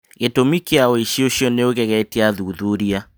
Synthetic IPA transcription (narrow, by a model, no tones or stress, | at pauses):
ɣetomikeaoiʃioɕiɔneoɣɛɣɛtiaðuðuɾia